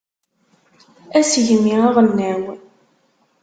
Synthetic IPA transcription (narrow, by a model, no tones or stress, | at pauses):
æsʝəmːiʁɑʁənːæw